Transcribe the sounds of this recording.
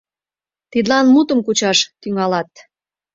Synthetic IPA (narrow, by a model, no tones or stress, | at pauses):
t̪id̪lɑnmut̪əmkut͡ɕɑʃt̪yŋɑlɑt̪